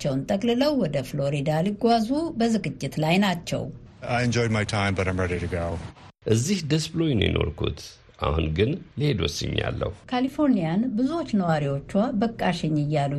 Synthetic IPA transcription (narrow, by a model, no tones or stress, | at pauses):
t͡ʃːɛwnt̪ʼəkʼlɨləwːɔd̪əflo̞ɾid̪alɨɡʷazubəzɨɡʼɨt͡ʃʼːɪt̪lajnat͡ʃːɛ̰w | aɪɨ̃nd͡ʒɔjd̚majtʰãɪ̃mbəɾãɪ̃mɹɛɾiɾɨɡoʊ | ʔɨzːihd̪əsblo̞jnjḭnʔo̞̰ɾkʰṵt̪ | ʔa̰hunɡɨnlɨhe̞d̪wɔ̰sːɨɲːa̰lːə̰hukʰalifo̞ɾnijanbɨzuwo̞t͡ʃːnəwaɾiwo̞t͡ʃːwabəkʼːaʃɪɲːɨjːalu